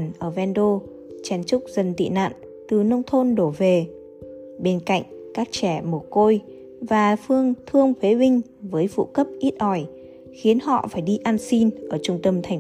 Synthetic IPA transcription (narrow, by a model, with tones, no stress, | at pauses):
nʔəː˧˩vɛ˧nɗo˧ | t͡ɕɛ˧˩nt͡ɕʊ˦˥k͡p̚zə˨˩nt̪ḭ˧˨na̰ː˧˨n | t̪ɨ˨˩nə˧wŋ͡mt̪ʰo˧nɗo˧˩ve˨˩ | ɓe˧nka̰˧˨jŋ̟kaː˦˥k̚t͡ɕɛ˧˩mo˨˩ko˧j | vaː˨˩fɨ˧əŋt̪ʰɨ˧əŋt̪ʰwe˨˦ɓï˧ŋ̟ | vəː˨˦jfṵ˧˨kə˦˥p̚ʔi˦˥t̚ʔɔ˧˩j | xi˨˦ənhɔ̰˧˨faː˧˩jɗi˧ʔaː˧nsi˧nʔəː˧˩t͡ɕʊ˧ŋ͡mt̪ə˧mt̪ʰa˨˩ŋ